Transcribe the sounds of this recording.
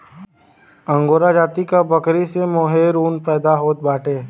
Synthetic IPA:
ə̃ŋɡoːɾad͡ʒaːt̪ikabɐkɾisemoːɦeɾuːnpɛːd̪aɦoːt̪̚baːʈeː

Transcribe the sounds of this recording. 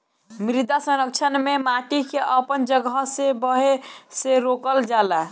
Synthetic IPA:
mɾid̪asəɾək̚t͡ʃʰənmemaʈikeʔəpənd͡ʒəɡəsebəɦeseɾokəld͡ʒala

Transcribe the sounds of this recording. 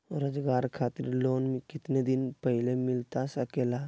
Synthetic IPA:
ɾəd͡ʒɡaːɾkʰaːt̪ɪɾloːnmẽkɪt̪ned̪ɪnpəɦlemɪlt̪asəkeːla

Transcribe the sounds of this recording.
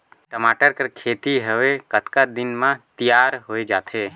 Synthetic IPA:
ʈəmaʈəɾkəɾkʰet̪iɦəʋekət̪kad̪ɪnmãt̪ijaɾɦoːed͡ʒaːt̪ʰe

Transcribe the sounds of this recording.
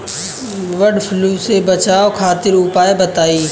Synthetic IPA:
ʋɐɖfʰluːsebɐt͡ʃaːokʰaːt̪ɪɾʊpaːebɐt̪aːiː

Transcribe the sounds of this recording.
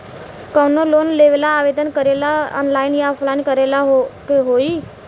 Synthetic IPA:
kɔːnoloːnleʋeːlaːʋeːd̪ənkəɾelaɔ̰ːnlaːɪnjapʰlaːɪnkəɾelaɦkeɦoːi

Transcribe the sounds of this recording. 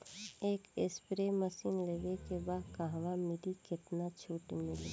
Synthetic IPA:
eːkɪspɾeməsiːnleːʋekebaːd̪kaɦʋamɪɾikɪt̪nat͡ʃʰuːʈmɪlḭ

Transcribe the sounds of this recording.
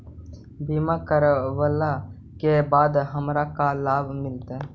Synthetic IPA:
biːmaːkəɾʋəlːaː | keːbaːd̪ɦəmɾakalaːʋmɪlt̪eː

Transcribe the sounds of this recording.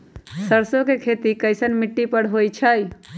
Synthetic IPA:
səɾsokekʰet̪ikəjsənmiʈːipəɽɦojt͡ʃʰəj

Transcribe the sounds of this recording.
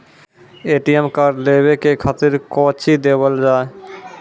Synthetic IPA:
eʈiemkaɖlebekekʰat̪iɾkɔt͡ɕʰid̪ebald͡ʑae

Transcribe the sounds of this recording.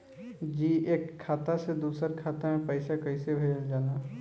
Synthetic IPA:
d͡ʒiːʔeːkʰːaːt̪ased̪uːsəɾkʰaːt̪amẽpəɪsakɐisebʱeːd͡ʒəld͡ʒaːna

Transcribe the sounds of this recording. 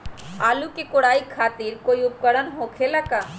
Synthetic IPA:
aːlukekoɽaːikʰːaːt̪iɾkoːiʊp̚kəɽənɦõkʰelaka

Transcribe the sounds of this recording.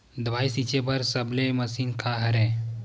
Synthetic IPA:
d̪ʋaːisit͡ʃebʱəɾsəbleməsiːnkʰaɦɐɾẽ

